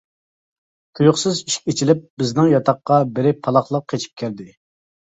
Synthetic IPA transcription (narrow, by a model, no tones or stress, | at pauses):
t̪ʲʰujʊχsɨziʃkʲet͡ʃʰilɪp̚bɪznɪŋjɑt̪ʰɑqːɑbɪɾɪpʰɑlˠɑχlˠəq̚ʰːet͡ʃʰi̥p̚kʲʰæɾd̪ɪ